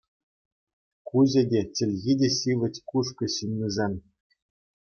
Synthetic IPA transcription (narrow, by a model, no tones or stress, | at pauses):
kuʑʲɘ̆dʲet͡ɕɘ̆lʲɣʲidʲeɕiʋʲɘ̆tʲkuʂ̬kɤ̆ɕinʲːizʲenʲ